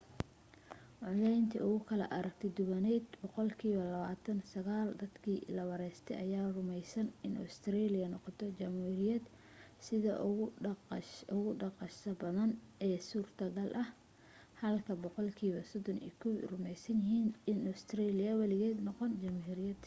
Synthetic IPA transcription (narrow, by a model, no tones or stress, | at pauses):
wʊʕlɛjnt̪ʰɐ̰ʊɣʊkʰɐlɐ̰ʔɐɾɐk̚t̪ʰɛd̪ʊβɐnɛːd̪bɔqɔlkʰiːβɐlɐβaːt̪ʰɐnsɐɣaːld̪ɐd̪kʰiːlɐwɐɾɛst̪ʰɛ̰jʔɐjaːrʊmɛjsɐnɪnʔɔ̰st̪ʰɾɛːlɪjɐnɔqɔt̪ʰɔt͡ʃɐmhuːɾɪjɐd̪ | sɪðɐ̰ | ʊɣʊɖɑqɑʃɐbɐðɐnɛːsuːrt̪ʰɐɣɐlʔɐh | hɐlkʰɐbɔqɔlkʰiːβɐsɔd̪ɔnḭːkʰɔwrʊmɛjsɐnjɪɦiːnɪnɔst̪ʰrɛːlɪjɐwɑlɪɣɛːd̪nɔqɔnt͡ʃɐmhuːɾɪjɐd̪